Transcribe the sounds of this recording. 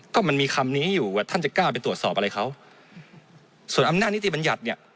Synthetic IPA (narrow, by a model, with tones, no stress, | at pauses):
kɔː˥˩ma˧nmiː˧xʰa˧mniː˦˥juː˨˩a˨˩t̪ʰa˥˩nt͡ɕa˨˩kaː˥˩p̬a˧jt̪ɾu˨˩ət̪sɔː˨˩pʔa˧ɾa˧jxʰa˦˥w | su˨˩ənʔa˧mna˥˩t̪̚n˦˥t̪i˨˩ba˧nja˨˩t̪̚ni˥˩ɐ